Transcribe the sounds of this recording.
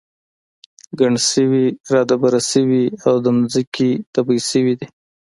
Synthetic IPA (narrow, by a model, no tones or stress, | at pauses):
ɡaɳsəwiɾɑd̪abaɾasəwiawd̪əmʊzəkit̪abisəwid̪i